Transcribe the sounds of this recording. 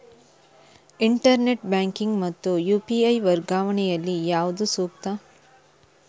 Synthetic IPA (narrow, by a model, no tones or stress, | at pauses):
iɳʈɐɾneʈbaːŋkiŋɡmɐt̪ːujuːpiɐjʋɐɾɡaːʋɐɳɛjɐlːijaːʋud̪usuːk̚t̪ɐ